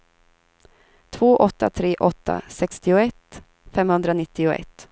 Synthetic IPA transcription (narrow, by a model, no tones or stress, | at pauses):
t̪ʰvoːʔɔt̪ːa̰t̪ʰɾeːʔɔt̪ʰːa̰sɛkst̪ɪʊɛt̪ | fɛmhɵnd̪ɾanɪt̪ːɪʊɛ̰t̪ː